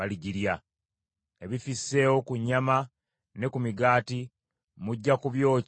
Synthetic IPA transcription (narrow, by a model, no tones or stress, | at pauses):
aliɟiɾja | e̞βifisːe̞ːwo̞kuɲːama | ne̞kumiɡaːti | muɟːakuβjo̞ː